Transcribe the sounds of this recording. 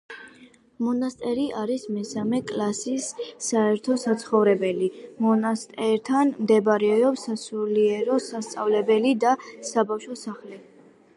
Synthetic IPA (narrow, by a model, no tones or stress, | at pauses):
mɔnast̪ʼɛɾiʔaɾismɛsamɛkʼlasisːaɛɾt̪ʰɔsat̪sʰχɔvɾɛbɛlimɔnast̪ʼɛɾt̪ʰanmd̪ɛbaɾɛɔpsasuliɛɾɔsast̪sʼa̰vlɛbɛlid̪asabafʃɔsaχlɛ